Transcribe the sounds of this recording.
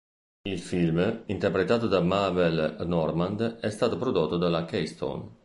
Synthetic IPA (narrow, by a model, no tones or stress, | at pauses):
ilfilmint̪ɛrpɾet̪aːt̪od̪amavɛlnɔrmand̪ɛst̪aːt̪opɾod̪ot̪ːod̪alakɛjst̪o̰n